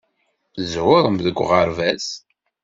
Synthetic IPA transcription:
zwəɾˤəmðəɡʷʁəɾvæs

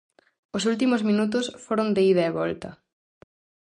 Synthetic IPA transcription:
ʊsult̪̬imʊzmĩnut̪̬ʊsfoɾond̪eiðɐeβɔlt̪ɐ

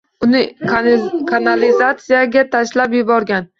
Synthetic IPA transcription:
ʊnɪ | kʰanalizat̪sijaɡʲat̪ʰaʃlapjʊbɒɾɡʲan

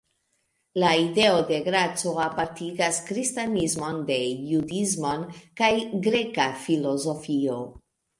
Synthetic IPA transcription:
laide̞ode̞ɡɾat͡so̞apaɾtiɡaskɾistanizmo̞nde̞judizmo̞nkajɡɾe̞kafilo̞zo̞fio̞

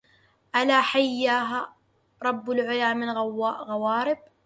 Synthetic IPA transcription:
ʔalaːħajːaːɦa | ɾˤɑbːʊlʕʊlaːmɪnɣawaːʔɣawaːɾɪb̚

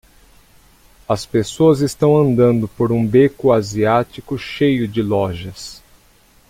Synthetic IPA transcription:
ɐspesoɐzɪst̪ɐ̃w̃ɐ̃nd̪ɐ̃nd̪ʊpoɾũbekʊaziat͡ʃikʊʃejʊd͡ʒɪlɔʒɐs

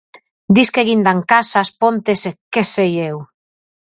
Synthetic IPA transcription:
d̪iskeɣind̪aŋkasaspont̪esekesejew

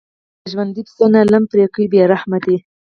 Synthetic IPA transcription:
ʒwand̪id̪sonalampɾekibjɑɾahmat̪i

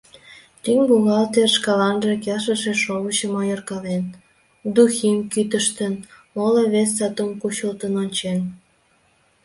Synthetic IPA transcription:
t̪yŋɡuŋɑlt̪erʃkɑlɑnʒĕkæʃəʃĕʃoβət͡ɕə̆mɑjorkɑlen | d̪uximkyt̪əʃt̪ən | moləβesːɑt̪omkuɕəlt̪ənonʲt͡ɕen

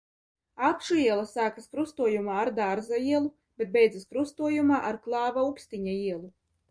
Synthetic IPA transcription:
akʃuiɛlˠasaːkaskɾust̪uɔjumaːɾd̪aɾzaiɛlˠu | b̥ʲet̪̚bʲɛjd̪zaskɾust̪uɔjumaːʔaɾklˠɑːvaukst̪iɲaiɛlˠu

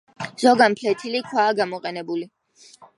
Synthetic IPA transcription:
z̥ɔɡanpʰlɛt̪ʰilikʰwaːɡamɔqʼɛnɛbuli

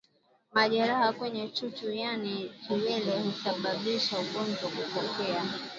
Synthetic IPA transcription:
maʄɛɾahakwɛɲɛt͡ʃut͡ʃujanitiwɛlɛhusaɓaɓiʃaukɔnzɔkupɔkɛa

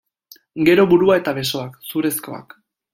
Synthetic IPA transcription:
ɡe̞ɾo̞βuɾuae̞t̪aβe̞so̞aksuɾe̞sko̞̰a̰k

